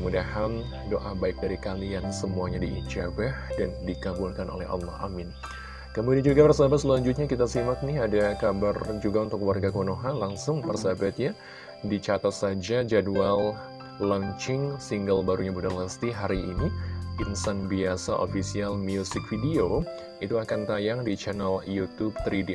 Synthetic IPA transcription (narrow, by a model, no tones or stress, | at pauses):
mudahan | doʔabaɪk̚daɾikaliansəmuaɲadiḭt͡ʃabɛhdandikabulkanʔo̰lɛ̰hɑ̰lːɑha̰mɪn | kəmudiand͡ʒuɡapərsabat̪səlaɲd͡ʒut̪̚ɲakit̪asimak̚nɪɦadakabard͡ʒuɡaunt̪ʊkəwarɡakonoɦanlaŋsʊŋpərsabat̪̚ɲa | dit͡ʃat̪at̪̚sad͡ʒad͡ʒadual | laŋt͡ʃɪŋsiŋɡəlbaɾuɲabudaŋlast̪iɦaɾiːnipinsanbiasaʔo̰fisialmiusɪk̚fidio | it̪uakant̪ajaŋdit͡ʃanaljut̪ub̚t̪əɾidi